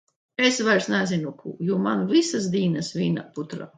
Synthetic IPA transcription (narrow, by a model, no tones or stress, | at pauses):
esvajɾsnæzinukʰṵːjuːmanvisasd̪iːnasvʲiːna̰put̪ɾa̰ː